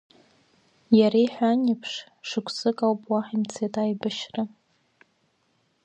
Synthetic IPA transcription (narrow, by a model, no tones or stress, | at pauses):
jaɾiħʷᶣaɲɪpʰʂ | ʂɨkʷʰsɨkʼawpʼwaħimt͡sʰetʼajbaʃrɨ